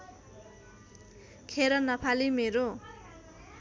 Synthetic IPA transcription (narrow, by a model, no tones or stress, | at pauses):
kʰeɾʌnʌpʰalimeɾo